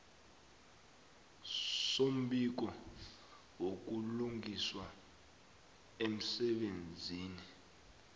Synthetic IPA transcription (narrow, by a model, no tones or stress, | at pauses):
som̩ɓik̬ɔ | wok̬uluŋɡiswa | em̩sɛɓend͡zʱiːni